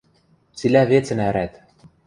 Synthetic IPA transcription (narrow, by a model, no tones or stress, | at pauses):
t͡silʲævet͡sɘ̆næɾæt̪